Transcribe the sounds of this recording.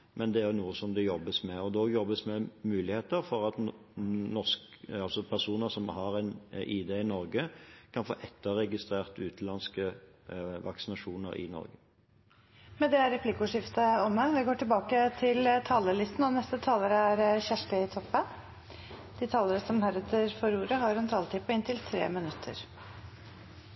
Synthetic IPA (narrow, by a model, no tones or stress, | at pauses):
mɛnd̪ɛæɾjʊnuːəsɔmd̪ɛjɔbːəsmɛɔd̪ɔjɔbːəsmɛmʉːlɪheːt̪əfɔʁɑt̪ | nɔsk | ɑlsɔpʰæʁsuːnəsɔmhɑʁɛnʔiːd̪eɪnɔɾɡəkʰɑnfo̰ːʔɛt̪ːəʁɛɡɪst̪ʁeːʁt̪ʉːt̪lɑnskə | ʋɑ̰ksɪnɑʂuːnə̰ɾɪ̰nɔ̰ɾɡə | mɛnd̪ɛæɾɛpʰlɪkʊʂɪft̪əɔməʋɪɡoːʈɪlbɑːkət̪ʰɪlt̪ʰɑːləlɪst̪n̩ɔnɛst̪ət̪ʰɑːləɾəæɾçæʂʈɪɪt̪ʰɔpːən | d̪̥ɪt̪ʰɑːləɾəsɔmhæɾət̪ʰəɾfɔɾuːɾəɦɑɾɛnt̪ʰɑːlət̪ʰɪpʰɔɪnt̪ʰɪlt̪ʰɾḛːmɪnʉt̪ʰːə̰ɾ